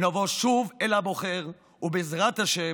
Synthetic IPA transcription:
nɔvɔʃuvɛlaboχɛʁ | ubezʁat̪aʃɛ

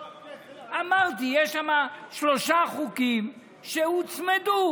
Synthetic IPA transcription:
amaʁt̪̬ijɛʃamaʃloʃaχukim | ʃeut͡smed̪u

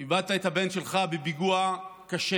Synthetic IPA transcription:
ivadtaet̪habe̞nʃe̞lχabebiɡuakaʃe

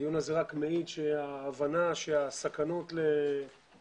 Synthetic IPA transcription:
jonazeʁakmeit̪ʃeaːvanaʃeasakano̞tle̞

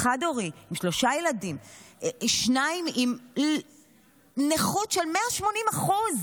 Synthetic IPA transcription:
χadoʁiimʃlo̞ʃajeladim | ʃnaimim | neχutʃelmeaʃmonimaχuz

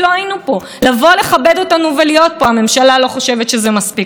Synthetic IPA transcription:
lo̞ajinupo̞ | lavo̞le̞χabe̞do̞tanuvelijo̞t̚po̞ame̞mʃalalo̞χo̞ʃe̞vetʃezemaspi

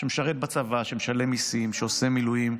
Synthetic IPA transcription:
ʃemeʃaʁet̪̚bat͡savaʃemeʃale̞misimʃeosemilujim

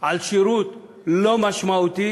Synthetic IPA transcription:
alɕiɾut̪ | ləmaɕmawt̪i

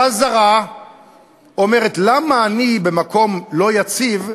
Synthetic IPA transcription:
azaʁa | o̞me̞ʁetlamaːnibe̞mako̞mlo̞jat͡siv

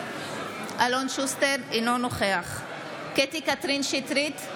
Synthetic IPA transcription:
ʔalonʃusteɾinonoχeaχ | ket̪ikat̪ɾinʃit̪ɾit̪

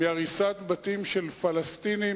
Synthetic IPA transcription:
iaʁisat̪bat̪imʃelfalast̪ini

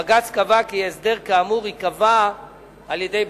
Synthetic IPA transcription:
aɡat͡skavakiesd̪eʁkaːmuʁikava | aljedejb

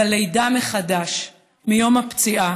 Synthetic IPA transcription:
alejdameχadaʃ | mijo̞mapt͡siʔa

